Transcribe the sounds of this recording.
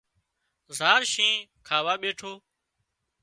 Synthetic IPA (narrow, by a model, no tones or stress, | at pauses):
zaːɾʃẽːkʰaːʋaːɓeːʈʰoː